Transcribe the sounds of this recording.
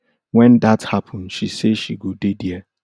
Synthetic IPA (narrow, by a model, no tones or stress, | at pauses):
wɛ̃ndathapʰə̃n̩ʃiseʃiɡodediɛ